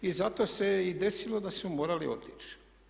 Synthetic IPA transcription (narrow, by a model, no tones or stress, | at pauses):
izat̪oːsejeid̪e̞silod̪asmumoːɾalḭo̞̰t̪i̥t͡ʃ